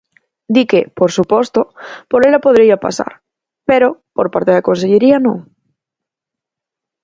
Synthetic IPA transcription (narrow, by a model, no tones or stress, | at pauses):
d̪ikepoɾsupost̪opoɾelapo̞ðɾiapa̰sa̰ɾ | peɾopoɾpaɾt̪eakõ̞nseʎeɾianõ̰ŋ